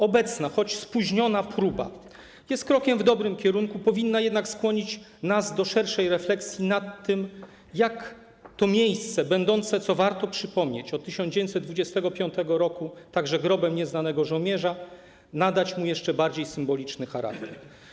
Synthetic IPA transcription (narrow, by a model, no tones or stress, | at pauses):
ɔbɛt̪snaxɔt͡ɕspuʑɲɔnapɾuba̰ | jɛst̪̚kɾɔkʲɛmvd̪ɔbɾɘmkʲɛɾuŋkupɔvʲinːajɛd̪nakskwɔɲit͡ɕ | nazd̪ɔʂɛɾʂɛjɾɛflɛksʲjinat̪ːɘm | jak | t̪ɔmʲjejst̪sɛbɛnd̪ɔnt̪sɛt̪sɔvaɾt̪ɔpʂɘpɔmɲet͡ɕɔt̪̚ːɘɕɔnd͡ʑevjnt̪sɛd̪d̪vud͡ʑɛst̪ɛɡɔpʲjɔnt̪ɛɡɔɾɔkut̪aɡʐɛɡɾɔbɛmɲɛznanɛɡɔʐɔwmjɛʐa | nad̪at͡ɕmujɛʂt͡ʂɛbaɾd͡ʑejsɘmbɔlʲit͡ʂnɘxaɾa̰kt̪ɛɾ